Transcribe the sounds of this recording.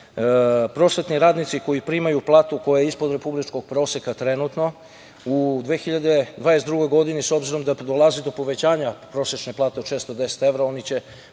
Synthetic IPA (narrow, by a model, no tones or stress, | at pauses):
pɾo̞sʋe̞t̪niɾaːd̪nit̪siko̞jipɾimajuplˠaːt̪uko̞jajeispo̞d̪ɾe̞publit͡ʃko̞ɡ̥̚pɾo̞ːsekat̪ɾe̞nut̪no̞ | ud̪ʋeːxiʎad̪ed̪ʋaːnest̪d̪ɾuɡo̞jɡo̞d̪ineso̞bziɾo̞md̪ad̪o̞lˠazed̪o̞po̞ʋe̞t͡ɕaːɲapɾo̞set͡ʃneplˠaːt̪et͡ʃest̪od̪ese̥t̪e̞ʋɾao̞nit͡ɕe